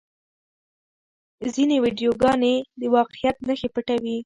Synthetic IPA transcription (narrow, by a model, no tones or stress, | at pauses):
zinewiɖjoɡɑned̪əwɑqɪjat̪nəxepəʈawi